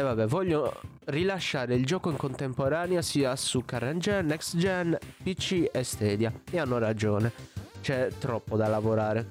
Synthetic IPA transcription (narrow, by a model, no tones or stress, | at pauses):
ɛvabɛvɔʎːo | rilaʃːaːɾeild͡ʒɔːkoiŋkont̪ɛmpɔɾaːnjasiːasukːarand͡ʒɛnɛksd͡ʒɛnpit͡ʃːiɛst̪ɛːd̪jaɛanːorad͡ʒɔːnɛt͡ʃɛt̪ɾɔpːod̪alavoɾaːɾe